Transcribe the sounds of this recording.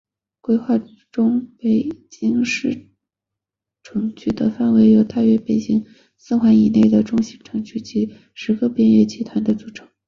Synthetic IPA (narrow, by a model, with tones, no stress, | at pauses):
kwe˥ɪxwa˥˩ | ʈ͡ʂʊ˥ŋpe˨˩ɪt͡ɕi˥ŋʂɻ̩˥˩ | ʈ͡ʂʰɤ˧˥ŋt͡ɕʰy˥˩d̪ə˩fa˥˩nwe˧˥ɪjo˨˧˥ʊt̪a˥˩ɥɛ˧˥pe˨˩ɪt͡ɕi˥ŋ | sɹ̩˥˩xwa˧˥ni˨˩ne˥˩ɪd̪ə˩ʈ͡ʂʊ˥˧ŋɕi˧˥˩ʈ͡ʂʰɤ˧˥ŋt͡ɕʰy˥˩t͡ɕi˧˥ | ʂɻ̩˧˥ɡə˧pjɛ˥nɥɛ˥˩t͡ɕʰi˧˥t̪ʰwa˧˥nd̪ə˧˨t͡su˨˧˩ʈ͡ʂʰɤ̥˧˥ŋ